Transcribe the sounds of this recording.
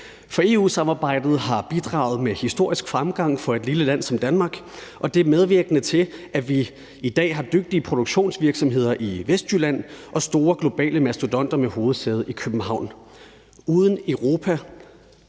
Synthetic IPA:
fɒ̽e̝ṵːsɑ̈mɑ̈ːb̥ɑ̈ɪ̰d̥ð̞̩ˠɦɑ̈b̥id̥ʁɑ̈ːʊð̩ˠmehisd̥o̝ɐ̰isɡ̥fʁamɡ̥ɑ̈ŋ̰fɒ̽e̝d̥liləlæn̰sɒ̽md̥ænmɑ̈ːɡ̥ | ʔɒ̽d̥e̝æɐmeð̞ˠʋiɐɡ̥ənət͡sʰe̝lʔæʋi | id̥ɛ̰ːɦɑ̈d̥øɡ̥̚d̥iəpʰʁo̝d̥oɡ̥ɕo̝̰ːnsʋiɐɡ̥sɒ̽mɦe̝ð̞̰ˠɐʔiʋesd̥jylæn̰ʔɒ̽sd̥o̝ːɐɡ̥lo̝b̥ɛ̰ːləmæsd̥od̥ɒ̽n̰d̥ɐmeho̝ːð̞̩ˠseð̞̩ˠikʰøb̥m̩hɑ̈ʊ̰n | uːð̞ˠəneʊʁo̝̰ːpʰæ

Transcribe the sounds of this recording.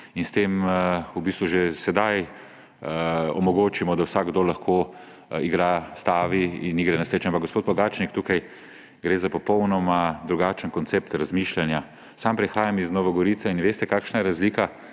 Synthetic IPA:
inst̪eːmubiːst̪ʋuʒesɛd̪aj | ɔ̰mɔɡoːt͡ʃimɔd̪awsaɡd̪oːlaxkʰoː | iɡɾast̪aːʋiḭnːiɡɾɛnaset͡ʃampaɡospoːt̪̚bɔɡat͡ʃnik̚t̪ukaj | ɡɾeːzapɔpɔwnɔmad̪ɾuɡat͡ʃənkɔnt̪seːpt̪ɾazmiʃlanja | sampɾɛxaːjamiznɔːʋaɡɔɾiːt̪sainʋeːst̪ɛkaːkʃnajɛɾazlika

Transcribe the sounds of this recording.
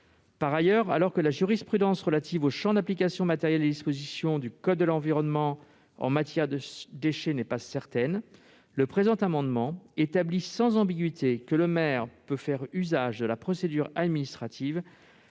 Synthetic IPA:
paʁajœʁalɔʁkəlaʒyʁispχyd̪ɑ̃sʁəlat̪ivoʃɑ̃d̪aplik̬ʲasjɔ̃mat̪ɛʁjɛld̪ed̪ispozisjɔ̃d̪ykɔd̪ːəlɑ̃viʁɔnmɑ̃ | ɑ̰̃mat̪jɛʁd̪əd̪eʃenɛpasɛʁt̪ɛn | ləpχezɑ̃t̪amɑ̃d̪mɑ̃et̪ablisɑ̃zɑ̃biɡʲɥit̪ekələmɛʁpøfɛʁyzaʒd̪əlapχɔsed̪yʁad̪minist̪χat̪ʰiv

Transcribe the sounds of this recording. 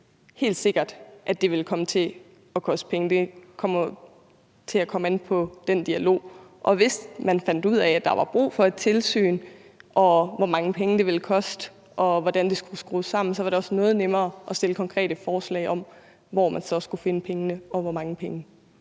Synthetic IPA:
he̝̰ːld̥se̝ɡ̥ɐd̥ʔæd̥e̝ʋe̝lkʰɒ̽mət͡sʰe̝ | ɒ̽kʰɒ̽sd̥ə̥pʰeŋnəd̥e̝kʰɒ̽m̰ɐ | t͡sʰe̝ækʰɒ̽menpʰɒ̽d̥end̥iælo̝̰ːʔɒ̽ʋe̝smænfæn̰d̥uð̰ˠɛæd̥ɑ̈ʋɑ̈b̥ʁṵːfɒ̽e̝d̥̚t͡sʰe̝lsy̰ːn | ʔɒ̽ʋɒmɑ̈ŋəpʰeŋnəd̥e̝ʋe̝lkʰɒ̽sd̥ə | ʔɒ̽ʋɒd̥ænd̥e̝sɡ̥usɡ̥ʁṵːsɑ̈m̰n̩sɒ̽ʋɑ̈ɾe̝ɒ̽snɔ̽ːð̞̩ˠnemɐːʔɒ̽sd̥e̝ləkʰɒ̽ŋkʰʁɛ̰ːɾ̥əfɒːslɛ̰ɪɒ̽m̰ | ʋɒːmænsɒ̽sɡ̥ufe̝nəpʰeŋənəɒ̽ʋɒmɑ̈ŋəpʰeŋə

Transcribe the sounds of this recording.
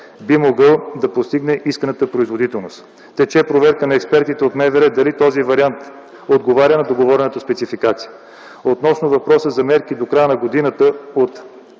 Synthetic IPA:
bimoɡɤlˠd̪ɐpost̪iɡnɛʔiskənət̪əpɾoizvod̪it̪ɛlˠnost̪ | t̪ɛt͡ʃɛpɾovɛɾkənɐɛkspɛɾt̪it̪ɛot̪nɛvɛɾɛd̪ɐlit̪ɔzivɐɾiant̪ | od̪ɡovaɾʲənɐd̪oɡovɔɾʲɛnət̪əspɛt̪sifikat̪sijə | ot̪nɔsnʊvɐpɾɔsəzɐmɛɾkid̪okɾajənɐɡod̪inət̪əot̪

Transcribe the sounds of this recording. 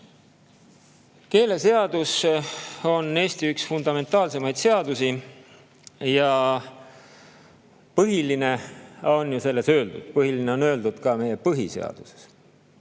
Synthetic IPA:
ke̞ːle̞se̞ɑd̪̥us | o̞nːe̞ːst̪iyksfund̪̥ɑme̞nt̪ˑɑːlse̞mɑjd̪̥se̞ɑd̪usi | jɑ | pɤɦiline̞o̞njuse̞lːe̞sø̞ːld̪̥ud̪̥pɤɦilineo̞nø̞ːld̪ud̪̥kɑme̞je̞pɤɦḭse̞̰ɑ̰d̪̥use̥s

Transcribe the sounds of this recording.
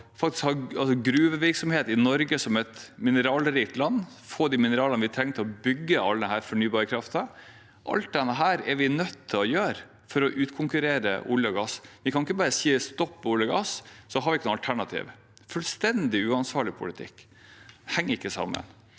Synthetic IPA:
fɑkt̪ɪ̥skhɑɾɑlsɔɡɾʉːʋəʋɪɾksɔmheːt̪ɪnɔɾɡəsɔmɛt̪mɪnəɾɑːlɾɪt̪lɑnː | foːd̪iːmɪnəɾɑːlənəʋɪt̪ʰɾɛŋːt̪ʰlɔbʏɡːəɑləd̪ɛhæːɾfɔɳyːbɑːɾəkʰɾɑft̪ə | ʔɑ̰lt̪̚d̪ɛnːəɦæːɾɛɾʋɪnœt̪ʰːɪlɔjøːɾ | fɔɾɔʔʉːt̪kʰʊŋkʉɾeːɾə̰ʔʊljəɔɡɑsʋɪkʰɑnɪkːəbɑːɾəsiːəst̪ɔpːɔʊljəɡɑssɔɦɑɾʋɪɪkːənʊɑlt̪ʰæɳɑt̪ʰḭːʋ | fʉlst̪ɛnd̪ɪʉːɑnsʋɑːɭɪpʰʊ̰lɪt̪ʰɪ̰kː | hɛŋːəɾɪkːəsɑ̰mːə̰n

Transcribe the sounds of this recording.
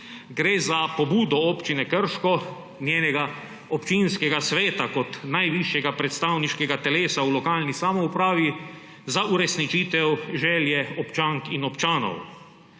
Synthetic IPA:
ɡɾeːzapɔbuːd̪ɔɔːpt͡ʃinɛkəɾʃkɔ | njeːnɛɡa | ɔpt͡ʃinskɛɡasʋeːt̪akɔt̪najʋiʃjɛɡapɾɛt̪st̪aːwniʃkɛɡat̪ɛleːsaulɔkaːlnisamɔupɾaːʋi | zaʔuɾɛsnit͡ʃiːt̪ɛwʒɛːljɛɔpt͡ʃaːŋkinɔpt͡ʃaːnɔ̰w

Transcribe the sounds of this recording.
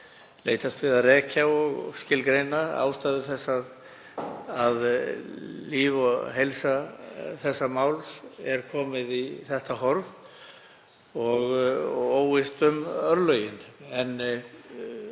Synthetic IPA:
leːjt̪ast̪vɪðaðrɛːcʰawɔɣscɪlkɾejnaa̰ːwst̪aːðɪθɛsːað | að | liːvɔɦejlsaθɛsːamaːwlsɛɾ̥kʰɔːmɪðiθɛht̪aɦɔɾv | ɔɣoːwɪst̪ʏmœɾlœːɥjɪnɛn

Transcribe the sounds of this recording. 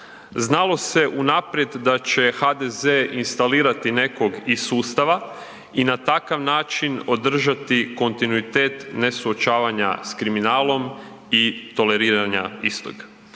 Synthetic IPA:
znalo̞se̞ʔunapɾje̞d̪ːat͡ɕe̞xad̪ezeːinst̪aliːɾat̪ine̞ko̞ɡisuːst̪aʋa | inat̪akaʋnaːt͡ʃino̞d̪r̩ʒat̪iko̞nt̪inuit̪e̞ːt̪ne̞suot͡ʃaːʋaɲa̰skɾiminaːlˠo̞m | it̪o̞le̞ɾiːɾaɲa̰ist̪o̰ɡ

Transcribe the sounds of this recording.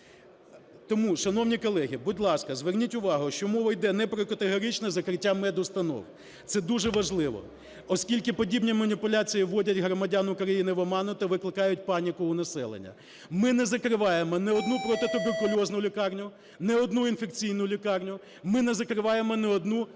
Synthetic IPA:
t̪ɔmuʃɐnɔwnʲikɔlˠɛɦʲibʊdʲlˠɑskɐzʋernʲitʲʊʋɑɦʊʃt͡ʃɔmɔʋɐjd̪ɛnɛpɾɔkɐt̪eɦɔɾʲit͡ʃnɐzɐkɾɪtʲːamɛd̪ʊst̪ɐnɔ̰w | t̪sɛd̪uʒɛʋɐʒlˠɪʋɔ̰ | ɔskʲilʲkɪpɔdʲibnʲimɐnʲipʊlʲat͡sʲijiʋɔdʲɐtʲɦɾɔmɐdʲanʊkɾɐjinɪʋɔmɑnʊt̪ɐʋɪklˠɪkɑjʊtʲpɑnʲikʊʊnɐsɛ̰lˠḛnʲːɐ̰ | mɪnɛzɐkɾɪʋɑjemɔnɛɔd̪nupɾɔt̪ɪt̪ɔbɪpʊlʲɔznʊlʲikɑrnʲʊ | nɛɔd̪nuinfek̚t͡sʲijnʊlʲikɑrnʲʊ | mɪnɛzɐkɾɪʋɑjemɔnɛɔd̪nu

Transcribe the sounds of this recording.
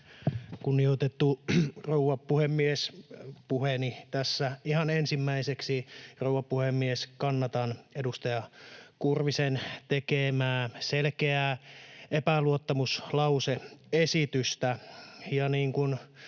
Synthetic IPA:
kunːiot̪et̪ːurouʋɑppːuhemːiespuhenit̪æsːæihɑnensimːæiseksirouwʋɑpːuhemːieskɑnːɑt̪ɑnedust̪ɑjɑkurʋisent̪ekemæːselkeæ | epæluot̪ːɑmuslɑuseesit̪yst̪æjɑniːŋkun

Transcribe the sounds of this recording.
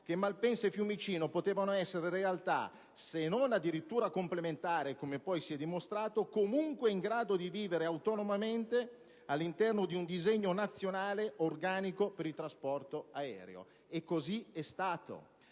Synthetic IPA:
k̟emːalpɛnsefjumit͡ʃiːnopot̪eːvanoɛsːeɾeɾealt̪a̰ | senonad̪ːiɾit̪ːuːɾakomplement̪aːɾekomepɔjsiɛd̪ːimost̪ɾaːt̪okomuŋkweiŋɡɾaːd̪od̪iviːveɾeawt̪ɔnomament̪e | alːint̪ɛrnod̪iund̪izeɲːonat̪sːjonaːleorɡaːnikopeɾilt̪ɾaspɔrt̪oaɛ̰ːɾḛo̰ | ekːoziɛst̪aːt̪o̰

